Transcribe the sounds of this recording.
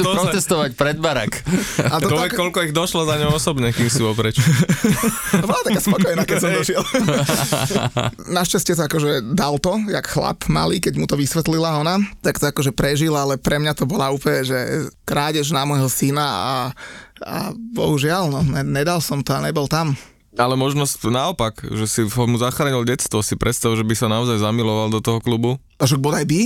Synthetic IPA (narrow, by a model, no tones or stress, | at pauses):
ɾɔtɛst̪ɔʋacpɾɛd̪̚baɾa̰kat̪ɔkkɔlkɔiɣd̪ɔʃlɔzaɲɔʊɔsɔbɲɛkiːmsiɔpɾɛt͡ʃ | bɔlat̪akaːspɔkɔjnakɛsɔmd̪ɔʒɪɛl | naʃt͡ʃascɛt̪ɔakɔʒɛd̪alt̪ɔjakxla̰pma̰liːkɛɟmut̪ɔʋisʋɛt̪lilaɔnat̪akt̪ɔakɔʒɛpɾɛʒilalɛpɾɛmɲat̪ɔbɔlauːpɲɛʒɛkɾaːɟɛʒnamɔjɦɔsinaa̰ | a̰bɔ̰ɦuʒɪalnɔnɛɲɛd̪alsɔmt̪ɔaɲɛbɔlt̪am | alɛmɔʒnɔscnaɔpakʒɛsiɔmuzaxɾaːɲilɟɛt̪st̪ʋɔsipɾʔɛt̪st̪aʊʒɛbisanaɔzajzamilɔʋald̪ɔt̪ɔɦɔklubu | aʃaɡ̚bɔd̪ajbi